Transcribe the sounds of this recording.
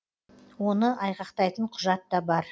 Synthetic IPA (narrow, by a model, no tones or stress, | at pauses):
wo̞nəʔɑjqɑqt̪ɑjt̪əɴqʰʊʒɑt̪ːɑbɑɾ